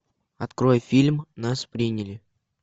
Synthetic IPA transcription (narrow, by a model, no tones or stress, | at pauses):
ɐt̪kɾo̞jəfʲilʲmnaspɾʲinʲɪlʲɪ